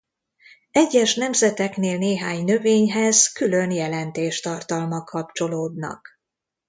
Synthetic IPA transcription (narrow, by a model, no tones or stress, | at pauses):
ɛɟːɛʃnɛmzɛt̪ɛkneːlneːɦaːɲnø̞veːɲɦɛzkylø̞njɛlɛnt̪eːʃt̪ɒrt̪ɒlmɒkʰɒp̚t͡ʃo̞loːd̪nɒ̰k